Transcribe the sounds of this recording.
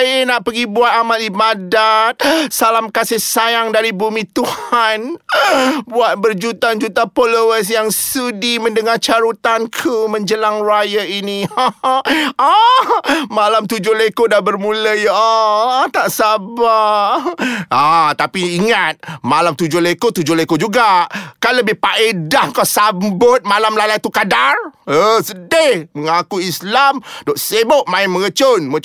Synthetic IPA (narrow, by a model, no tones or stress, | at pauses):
ajənaʔpəɡibuat̪̚amalibadat̪̚salamkasɪhsajaŋdaɾibumĩt̪uhan | buat̪̚bərd͡ʒut̪and͡ʒut̪apolowəs̬jaŋsudimə̃ndəŋat͡ʃaɾut̪ankʰumə̃ɲd͡ʒəlaŋrajəini | a | malamt̪ud͡ʒʊhlekodabərmũləjat̪aʔsaba | at̪apiːŋat̪̚malamt̪ud͡ʒʊhlekot̪ud͡ʒʊhlekod͡ʒuɡakanləbɪhpaʔedahŋkawsambʊt̪̚malamlalajt̪ukadarəsədehməŋakuislamdoʔseboʔmãɪməɣət͡ʃonmə